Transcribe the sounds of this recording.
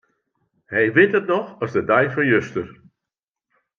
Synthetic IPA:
hɛjʋɪtətnɔxɔsdədajfɔnjøstər

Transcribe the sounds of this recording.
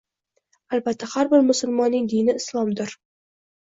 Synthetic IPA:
alˠbat̪ʰːahaɾbɪɾmʊsʊlˠmɒnːɪŋd̪ijnɪɪslˠɒmd̪ɪɾ

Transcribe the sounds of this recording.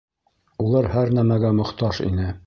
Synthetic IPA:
ulˠɑɾhæɾnæmæɡæmŏχt̪ɑʃḭnɘ

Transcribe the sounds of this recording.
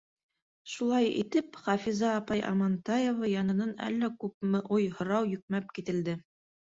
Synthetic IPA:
ʃulˠɑjḭt̪ɘpχɑfizɑːpɑjʔɑ̰mɑnt̪ɑjovɑjɑnɤ̆nɤnæ̰lːækʉp̚mɘʔujhŏɾɑwjɵ̆k̚mæp̚kit̪ɘ̆ld̪ɘ

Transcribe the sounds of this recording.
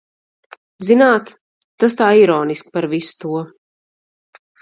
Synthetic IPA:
zinaːt̪ | t̪ːas̬t̪aːiɾɔːniskpaɾvisu̥t̪uɔ

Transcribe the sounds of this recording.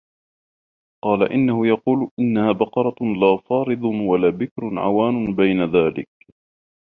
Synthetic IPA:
qɑːlaʔɪnːahʊjɑquːlʔɪnːahaːbɑqɑɾˤɑlaːfɑːɾɨd̪ˤwalaːbɪkɾʕa̰waːnʊbajnaðaːlɪ̰k̚

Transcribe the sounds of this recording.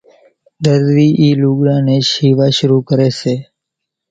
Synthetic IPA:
d̪əɾʋiːʔiːluɡɽãːneʃiʋaʃʊɾukəɾet͡ʃʰe

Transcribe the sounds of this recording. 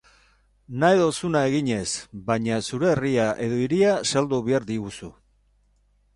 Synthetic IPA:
najðo̞sunae̞ɣiɲe̞sbaɲasuɾe̞ːriaʔe̞ðo̞iɾiasald̪uβeaɾd̪iɣusu

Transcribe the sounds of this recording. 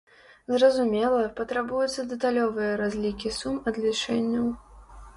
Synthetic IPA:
zrɐzumʲɛlˠɐpɐt̪ɾabujut̪sːɐd̪ɛt̪alʲɔvɨjɐɾazʲlʲikʲisumɐd̪lʲit͡ʂɛnʲːɐw

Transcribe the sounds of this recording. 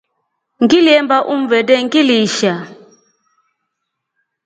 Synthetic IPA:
ŋɡiliɛmbaʔum̩vɛdɛŋɡiliʃa

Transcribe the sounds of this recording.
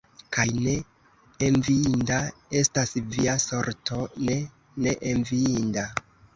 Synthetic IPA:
kajne̞ | envindae̞stasviaso̞ɾtʰo̞ne̞ | ne̞ʔenviinda

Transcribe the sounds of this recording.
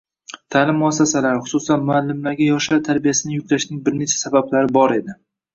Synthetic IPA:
t̪ʰaːlɪmːʊasːasalaɾχʊ̥sʊsanmʊalːɪmlaɾɡʲajɒʃawt̪ʰaɾbijasɪnɪjʊk̚ʲlaʃnɪŋbɪɾne̞t͡ʃʰḁsabablaɾɪbɒɾe̞d̪ɪ

